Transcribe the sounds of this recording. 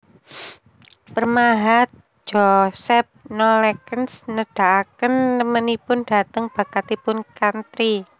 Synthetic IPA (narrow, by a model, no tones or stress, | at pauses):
pərmaɦat̪̚ | d͡ʒ̥ɔsɛp̚nɔlɛkənsnəɖ̥a̤ʔakənːəmənipʊnɖ̥a̤t̪əŋb̥a̤kat̪ipʊnkant̪ɾi